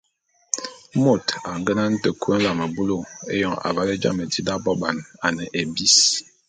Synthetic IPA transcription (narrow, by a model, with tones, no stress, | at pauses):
mo˦˨ta˨ŋ˦ɡə˦na˦n̩˦tə˨ku˦ə˦n̩˦la˨mə˨bu˦lo˦˨ḛ˦jɔ˨ŋa̰˨va˨˦le˦d͡ʒa̰˦mə˨di˦da˦bɔ˦ɓa˨na˨nə˨ʔe˨bi˦s